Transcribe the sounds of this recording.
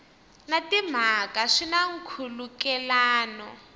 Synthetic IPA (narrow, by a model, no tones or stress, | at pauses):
natim̤akaʂinaŋ̩kʰulukɛlaːnɔ